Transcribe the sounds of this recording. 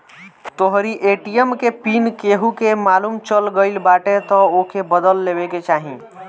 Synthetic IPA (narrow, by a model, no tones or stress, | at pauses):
t̪oɦɾiʔeʈijəmkepinkeɦukemaːlumt͡ʃəlɡəɪlbaʈet̪ɔokebəd̪əlːebeket͡ʃaːɦĩ